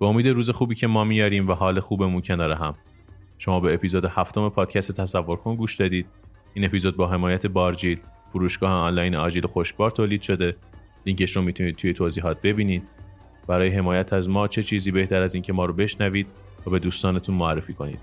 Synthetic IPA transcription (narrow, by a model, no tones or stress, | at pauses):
b̥eomiːd̪eɾuːze̞xuːbiːcʰe̞mɒːmiːjɒːɾiːmvæɦɒːle̞xuːbe̞muncʰe̞nɒːɾeɦæm | ʃo̞mɒːbe̞epiːzoːd̪ehæft̪ʰo̞me̞pʰɒːd̪̥cʰæst̪et̪ʰæsævːo̞ɾkʰonɡuːʃd̪ɒːd̪iːd̪̥̚ | iːne̞piːzod̪̚bɒːɦe̞mɒːjæt̪ʰe̞bɒːɾd͡ʒiːlfuɾuːʃɡ̥ɒːheɒnlɒːjnɒːd͡ʒiloxoʃc̚bɒːɾt̪ʰoːliːd̪̥ʃo̞d̪e̞ | liŋceʃɾomiːt̪ʰuniːd̪t̪ʰuːje̞t̪ʰoːziːɦɒːt̪̚be̞biːniːd̪̥̚ | b̥æɾɒːjeɦe̞mɒːjæt̪ʰæzmɒːt͡ʃʰe̞t͡ʃʰiːziːbe̞ht̪ʰæɾæziːncʰe̞mɒːɾobe̞ʃnæviːd̪̚ | væːbe̞d̪uːst̪ɒːnet̪ʰunmoærːefiːkʰo̞nḭːd̪̥